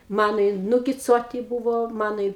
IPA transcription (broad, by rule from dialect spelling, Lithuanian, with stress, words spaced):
ˈmɑːnoː ɪ nʊɡʲɪˈt͡suɔtʲɪ ˈbuːʋoː ˈmɑːnoː ɪ